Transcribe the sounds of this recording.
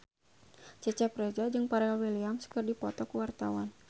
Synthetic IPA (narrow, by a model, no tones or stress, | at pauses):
t͡ʃət͡ʃapɾed͡ʒad͡ʒɨŋpaɾɛlwiliamskərdipɔt̪ɔkəwart̪awan